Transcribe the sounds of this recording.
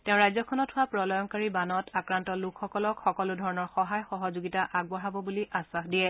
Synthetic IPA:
tɛʊ̃ɹajzɔkʰɔnɔthʊwapɹɔlɔjɔŋkaɹibanɔtʰakɹantɔlukʰxɔkɔlɔkxɔkɔlʊdʱɔɹɔnɔɹxɔɦajxɔɦɔzʊɡitaʔaɡ̚bɔɹabɔbuliʔasaxdiɛ

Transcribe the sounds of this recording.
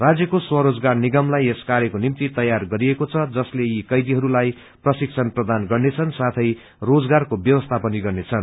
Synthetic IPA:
rad͡zjʌkoswʌɾod͡zɡarniɡʌmlajeskaɾekonimt̪it̪ʌjarɡʌɾiekot͡sʰʌd͡zʌsleikʌjd̪iɦʌɾulaj | prʌsik̚t͡sʰʌnprʌd̪anɡʌrnet͡sʰʌnsat̪ʰʌj | rod͡zɡarkobjʌwʌst̪ʰapʌniɡʌrnet͡sʰʌn

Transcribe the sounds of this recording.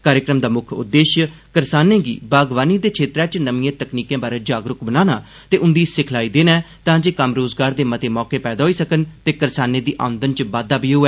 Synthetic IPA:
kaːɾjəkɾəmd̪aːmʊkʰʊ̰d̪ːeːʃkəɾsaːnẽːɡḭːbaːɡʋaːniːd̪eːkʰeːt̪ɾɛ̃ːt͡ʃnəmiːẽːt̪əkniːkẽːbaːɾeːd͡ʒaːɡɾʊkbənaːnaː | t̪eːʔʊnd̪iːsɪkʰlaːiːd̪eːnɛː | t̪ãːd͡ʒeːkəmɾoːzɡaːɾd̪eːmət̪eːmɔːkeːpɛːd̪aːɦoiːsəkənt̪eːkəɾsaːneːd̪iːʔa̰ːʋənd̪ənt͡ʃbaːd̪aːbiːɦʊɛː

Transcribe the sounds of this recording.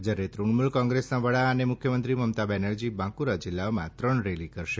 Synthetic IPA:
d͡ʒaɾet̪ɾuɳmulkɔ̃ŋɡɾesnaʋəɭaənemʊkʰjəmənt̪ɾiməmt̪abɛnəɽd͡ʒibãkuɾad͡ʒɪlːaomãt̪ɾəɳɾelikəɾʃe

